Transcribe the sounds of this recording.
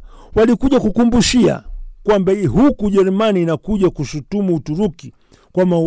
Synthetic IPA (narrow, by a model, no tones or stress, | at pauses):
walikuʄakukumbuʃia̰kwambaɦukuʄɛɾumaniːnakuʄakuʃutumuutuɾuki | kwama